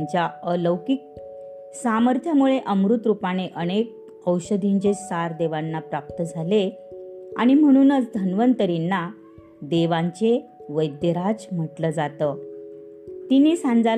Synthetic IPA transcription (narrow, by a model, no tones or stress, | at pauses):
t͡ɕjaələwkik̚ | saməɾt̪ʰjamuɭeʔəmɾut̪ɾupañeʔəñek̚ | əwɕəd̪ʱiɲt͡ɕesaɾd̪eʋanːapɾap̚t̪əd͡zʱale | a̰ɽ̃im̤əɽ̃uːnət͡sd̪ʱənʋənt̪əɾinːa | d̪eʋãɲt͡ɕe | ʋəjd̪jəɾad͡zm̤əʈləd͡zat̪ə | t̪inesãnd͡za